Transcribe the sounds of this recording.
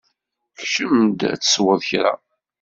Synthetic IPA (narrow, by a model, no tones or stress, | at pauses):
xʃəmd̪æ̰t͡sːə̥swəðˤçɾa̰